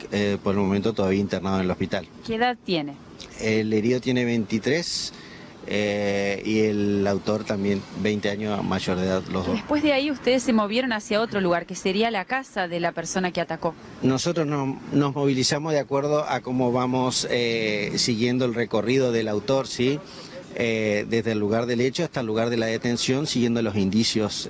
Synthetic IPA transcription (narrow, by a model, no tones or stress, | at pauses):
epoɾelmo̞ment̪ot̪oðaβiaint̪eɾnaðonelo̞hpit̪alkeːðaðt̪je̞ne | eleɾiðot̪jene̞βent̪it̪ɾes | eielawt̪o̞ɾt̪ambje̞nbejnt̪eaɲjosmʔa̰ʒoɾðeðaðloðoespwe̞zðeaiust̪eðesːemo̞β̞jeɾo̞nasjao̞t̪ɾo̞luɣ̞aɾkeseɾialakasaðelapeɾso̞nakeat̪ako̞ | no̞so̞t̪ɾoznono̞zmo̞β̞ilisamozðeakwe̞ɾð̞o̞ʔako̞mo̞βamo̞sesiɣje̞nd̪oelre̞ko̞riðo̞ðelawt̪o̞ɾsi | ed̪e̞zðelːuɣaɾðe̞let͡ʃoast̪alːuɣaɾðe̞laðet̪e̞nsjo̞nsiɣje̞nd̪o̞lo̞sind̪isjo̞s